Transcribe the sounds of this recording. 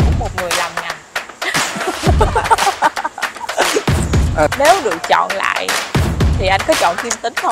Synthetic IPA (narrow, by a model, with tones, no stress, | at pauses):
kṵ˧˩mo˨˩t̚ŋɨ˨˩əjlaː˨˩mŋa˨˩n | ʔə˨˩ne˨˦wɗɨ˨˩ək̚t͡ɕɔ̰˧˨nla̰ː˧˨jt̪ʰi˨˩ʔa˧jŋ̟kɔ˨˦t͡ɕɔ̰˧˨nk̪i˧mt̪ï˨˦ŋ̟xə˧ŋ͡m